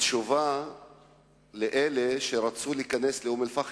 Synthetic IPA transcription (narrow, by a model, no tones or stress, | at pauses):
ʃuva | leʔeleʃeɾat͡suliiːkane̞sleumelfaχ